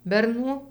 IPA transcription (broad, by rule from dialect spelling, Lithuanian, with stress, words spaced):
bʲɛrˈnuː